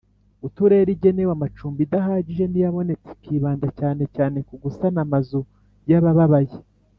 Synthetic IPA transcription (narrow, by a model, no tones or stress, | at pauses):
utuɾe̞ɾiɟe̞ne̞wamat͡ʃuːmbidaɦaːɟiʒe̞nijaβo̞ne̞t͡se̥kiβaːndacaːne̞caːne̞kuɡusanamazu | jaβaβaβaje